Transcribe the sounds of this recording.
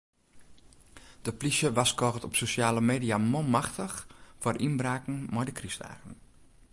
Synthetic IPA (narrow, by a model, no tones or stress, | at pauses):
d̥əplisjəʋaskɔːɣtɔpsosjaːləmeːdiamolˠmaxtəxfɔrʔinbraːkŋ̩mɔjdəkrista̰ːɣən